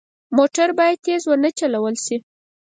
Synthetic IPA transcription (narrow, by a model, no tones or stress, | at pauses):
moʈaɾbɑjad̪jezwanət͡ʃalawəlʃi